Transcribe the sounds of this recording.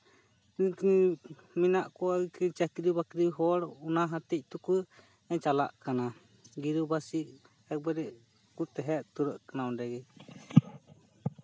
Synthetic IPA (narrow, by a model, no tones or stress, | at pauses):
kɲi | minaʔkɔaɡikiɾt͡ʃakiɾibakiɾiɦɔɽunaɦat̪ɛc̚ˀt̪uku | ɛɲt͡ʃala̰ʔkana | ɡiɾubasiʔ | ɛk̚baɾɛ | kut̪ɛɦɛʔt̪uɾəʔkanaɔ̃dɛɡɛ